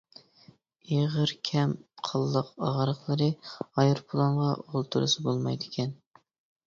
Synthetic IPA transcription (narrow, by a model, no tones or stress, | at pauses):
eʁəɾkʲʰɛmqʰɑlˠːəqɑʁɾəχlˠəɾɨɑjɨɾpʰʊlˠɑnʁɑolˠt̪ʰuɾɨ̰sɨbolˠmɑjd̪ɪkʲʰɛn